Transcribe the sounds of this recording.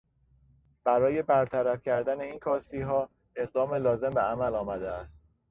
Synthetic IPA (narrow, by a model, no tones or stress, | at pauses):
b̥æɾɒːje̞bæɾt̪ʰæɾæfcʰæɾd̪æne̞iːnkʰɒːsiːɦɒː | e̞ɢ̚d̪ɒːme̞lɒːze̞mbeæmælɒːmæd̪eæst̪̚